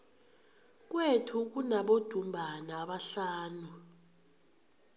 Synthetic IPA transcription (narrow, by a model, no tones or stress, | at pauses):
k̬ʼwetʰuk̬unaɓod̥ʱumbʱanaːɓaɬaːnu